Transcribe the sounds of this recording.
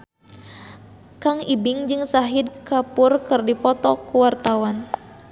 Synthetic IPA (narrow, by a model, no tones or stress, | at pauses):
kaŋibiŋd͡ʒɨŋsaɦid̚kapʊrkɨrdipɔt̪ɔkuwart̪awan